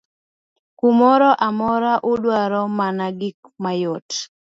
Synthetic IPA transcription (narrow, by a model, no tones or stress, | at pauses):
kumɔɾɔʔamɔɾaʔuɗwaɾɔmanaɡɪk̚ | majɔt